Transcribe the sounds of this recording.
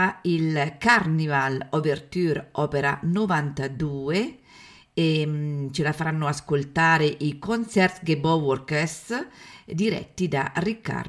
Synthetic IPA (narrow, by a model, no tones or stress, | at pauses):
ailkarnivalobert̪yɾɔːpeɾanovant̪ad̪uːe | et͡ʃelafaɾanːoaskolt̪aːɾeʔikonsɛrt̪ɡebɔwoɾkes | d̪iɾɛ̰t̪ːid̪arikːa̰r